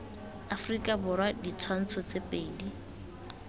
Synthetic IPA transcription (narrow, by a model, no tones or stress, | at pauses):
afrikʼabʊɾwadit͡sʰwan̩t͡sʰɔt͡sepʼeːdi